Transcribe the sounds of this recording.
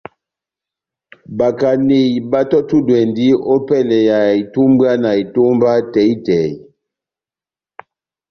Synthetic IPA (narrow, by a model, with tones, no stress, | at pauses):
ba˨ka˨ne˨jba˦tɔ˦tu˦dwɛ˨ndi˦o˦pɛ˦˨lɛ˨ja˨i˨tu˦mba˦na˨i˨to˦mba˦tɛ˨˦i˦tɛ˨j